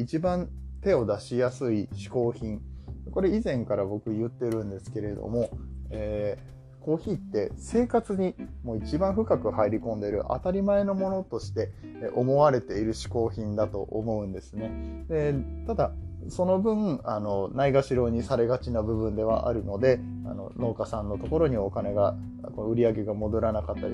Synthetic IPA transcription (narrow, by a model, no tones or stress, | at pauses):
it͡ɕibãnt̪e̞o̞d̪aɕijasɨiɕi̥ko̞ːçĩɴko̞ɾe̞izẽ̞ŋkaɾabo̞kɯ̟jɯ̟t̪ːe̞ɾɯ̟̃nd̪e̞sɨ̥ke̞ɾe̞d̪o̰mo̞eː | ko̞ːçiːt̪ːe̞se̞ːkat͡sɨɲ̟imo̞ːit͡ɕibãɰ̃ɸɯ̟kakɯ̟haiɾʲikõ̞nd̪e̞ɾɯ̟̰ʔa̰t̪aɾʲimae̞no̞mo̞no̞t̪o̞ɕi̥t̪e̞ʔo̞mo̞βaɾe̞t̪e̞iɾɯ̟ɕi̥ko̞ːçĩnd̪at̪o̞ʔomo̞ɯ̟̃nd̪e̞sɨne̞d̪e̞t̪ad̪aso̞no̞bɯ̟̃ano̞naiɡaɕiɾo̞ːɲ̟isaɾe̞ɡat͡ɕinabɯ̟bɯ̟̃nd̪e̞β̞a̰ʔa̰ɾɯ̟no̞d̪e̞ | a̰no̞̰no̞ːkasãnːo̞t̪o̞ko̞ɾo̞ɲ̟io̞kane̞ɡa | koɯ̟ɾʲiaɡe̞ɡamo̞d̪o̞ɾanakat̪ːa̰